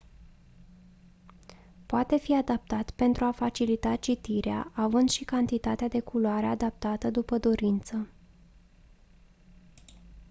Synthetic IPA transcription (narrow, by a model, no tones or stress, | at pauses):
poat̪e̞fiad̪ap̚t̪at̪pe̞nt̪ɾuafat͡ʃilit̪at͡ʃit̪iɾea̰ʔavɨnd̪ʃikant̪it̪at̪ead̪e̞kʰuloaɾe̞ad̪ap̚t̪at̪əd̪upəd̪o̞ɾint̪sə